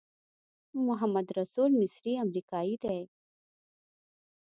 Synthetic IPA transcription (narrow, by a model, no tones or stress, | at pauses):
mʊɦəmːəd̪ɾɐsuːlmɪsɾiɐmɾiːkaːid̪eː